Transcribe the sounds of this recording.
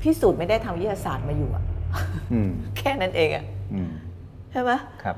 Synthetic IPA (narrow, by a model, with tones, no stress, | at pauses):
p̪ʰi˥˩suː˨˩t̪̚ma˥˩da˥˩jt̪ʰa˧mjt̪ʰːa˧saː˨˩˦t̪̚maː˧juː˨˩ʔa̰˨˩˧ | kʰɛː˥˩na˦˥nʔeː˧ŋʔa̰˨˩ʔ | t͡ɕʰa˥˩jba˦˥kʰa˦˥p̚